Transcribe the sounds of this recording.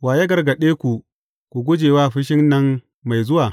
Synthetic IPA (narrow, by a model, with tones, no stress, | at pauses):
waː˨je˦ɡɐ˨rɡɐ˨ɗeː˦kʷu˨ | kʷu˨ɡʷʊ˦d͡ʒeː˨waː˦ɸɪ˦ʃɪ˦nːɐ˦ŋ | ma˨jzʊ˦waː˨